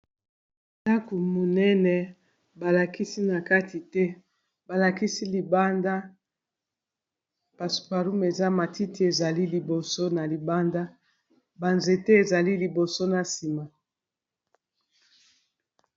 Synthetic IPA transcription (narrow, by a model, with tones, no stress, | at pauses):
ta˦ku˨mo˨nɛ˦nɛ˨ | ba˨la˨ki˦si˦na˨ka˦ti˨tɛ˦ | ba˨la˨ki˦si˦li˨ba˦nda˦ | pa˨su̥˨pa˨ɾu˦me˨za˦ma˨ti˦ti˦e˨za˨li˦li˨bo˨so˦na˨li˨ba˦nda˦ | ba˨nze˨tɛ˦e˨za˨li˦li˨bo˨so˦na˨si˨ma˨